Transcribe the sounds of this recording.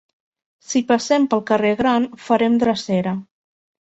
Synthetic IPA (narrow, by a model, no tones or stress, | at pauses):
sipəsɛmpəlˠkəreɣɾanfəɾɛmd̪ɾəsɛɾə